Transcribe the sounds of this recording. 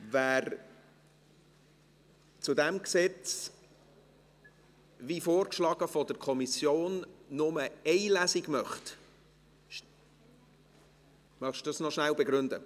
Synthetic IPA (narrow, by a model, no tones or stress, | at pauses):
væːɾ | t͡sud̪æmksɛt͡s | vifoːrkʃlɑːɡ̥əfɔdəɾkʰɔmisjoːnːʊməɛɪlæsiɡmœχt | mœχʃdəsnɔʃnælbɛɡɾʏnd̪ə